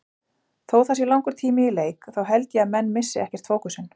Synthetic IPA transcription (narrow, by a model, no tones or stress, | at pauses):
θowθasilawŋkʏɾ̥t̪ʰiːmɪileːjkθawɦɛlt̪jɛaðmɛnːmɪsːɪɛhcɛr̥t̪foːwkʏsɪn